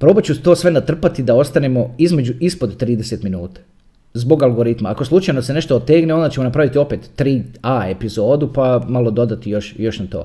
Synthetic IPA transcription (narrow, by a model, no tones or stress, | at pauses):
pɾo̞ːbat͡ɕut̪oːsʋenat̪r̩pat̪id̪ao̞st̪anemo̞izme̞d͡ʒuʔispo̞d̪t̪ɾiːd̪ese̞t̪minuːt̪ḁ | zbo̞ɡalɡo̞ɾit̪maako̞slˠut͡ʃajno̞sene̞ʃt̪oot̪eːɡneo̞nd̪at͡ɕemo̞napɾaʋit̪io̞peːt̪ːɾiːaːe̞pizo̞ːd̪upamalˠo̞d̪o̞d̪at̪ijo̞ʃjo̞ʃnat̪o̞̰ː